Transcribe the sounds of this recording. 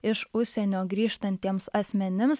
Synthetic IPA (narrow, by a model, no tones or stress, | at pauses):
ɪʃʊʃʲsʲɛnʲoːɡɾʲiːʃt̪ɐnʲt̪ʲiɛmsɐsʲmʲɛnʲɪms